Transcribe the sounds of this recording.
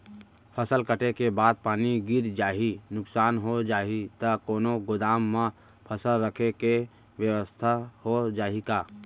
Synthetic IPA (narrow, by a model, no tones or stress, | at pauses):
pʰəsəlkəʈekebaːd̪̚paːniɡɪɾd͡ʒaːɦinʊksaːnɦod͡ʒaːɦit̪ɐkoːnoɡʊd̪aːmːã | pʰəsəlɾəkʰeke | ʋjəwəst̪ʰahod͡ʒaːɦikaː